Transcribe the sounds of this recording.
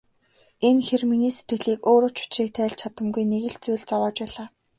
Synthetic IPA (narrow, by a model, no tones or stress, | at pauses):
enxerminiːset̪ɡɘ̆ɮiːkoːɾoːt͡ɕʰʊ̥t͡ɕriːk̚t̪ʰæːɮt͡ɕʰat̪ə̆mɡujneɣɘ̆ɮt͡sujɮt͡sawaːt͡ɕpæːɮaː